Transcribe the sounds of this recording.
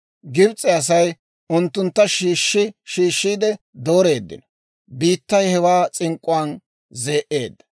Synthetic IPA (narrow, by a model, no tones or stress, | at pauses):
ɡɪbt͡sʼɛɐs̬ɐj | ʊnt̪ːʊnt̪ːɐʃiːʃːɪʃiːʃːiːd̪ɛ | d̪oːɾe̞ːd̪ːɪ̰nɔ | biːt̪ːɐjhɛwaːt͡sʼɪŋkʼʊaːn | zeːʔe̞ːd̪ːɐ